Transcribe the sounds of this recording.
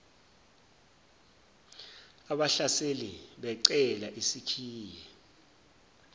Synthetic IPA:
aɓaɬaseliɓɛǀɛlaʔisikʰiːjɛ

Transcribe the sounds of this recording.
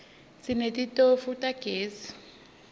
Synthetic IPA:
sinetʼitʼofutʼaɡ̥ʱeːsi̥

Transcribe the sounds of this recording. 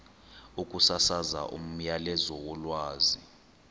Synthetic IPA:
ukʼusasaza̰ʔṵm̩jalɛzɔwɔlwaːzi

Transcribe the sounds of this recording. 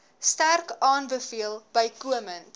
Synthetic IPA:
stærkɑːnbəfiəlˠb̥əjkuəmənt

